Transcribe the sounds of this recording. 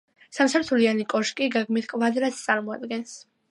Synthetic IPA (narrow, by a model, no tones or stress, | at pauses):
samsaɾt̪ʰulianikʼɔʃkʼiɡaɡmit̪ʰkʼvad̪ɾast̪sʼaɾmɔad̪ɡɛns